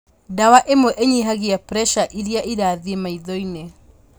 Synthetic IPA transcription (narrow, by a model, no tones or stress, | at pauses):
dawaʔemoʔeɲiɦaɣiapɾɛʃaʔiɾiaʔiɾaːðemaiðɔine